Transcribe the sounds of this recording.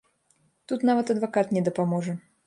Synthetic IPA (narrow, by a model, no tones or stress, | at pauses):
t̪ut̪navɐt̪ɐd̪vakat̪nʲɛd̪ɐpamɔʐɐ